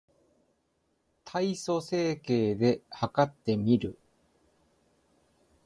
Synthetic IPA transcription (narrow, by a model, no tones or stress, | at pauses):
t̪ʰaiso̞se̞ːke̞ːd̪e̞hakat̪ːe̞mʲiɾɯ̟